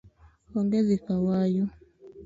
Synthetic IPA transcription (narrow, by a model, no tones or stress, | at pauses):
ɔŋɡezikawajɔ